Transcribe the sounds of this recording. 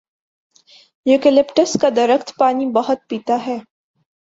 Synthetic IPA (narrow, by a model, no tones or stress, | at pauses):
jʊkɪlɪpʈəskad̪ɐɾəxt̪paːnibɐɦʊt̪̚piːt̪aɦɛː